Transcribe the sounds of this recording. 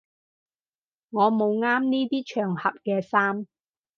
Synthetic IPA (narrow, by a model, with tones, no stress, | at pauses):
ŋɔː˨˧mo˨˧wŋaː˥mniː˥t̪iː˥t͡ʃʰœː˨˩ŋhɐ˨p̚kɛː˧saː˥m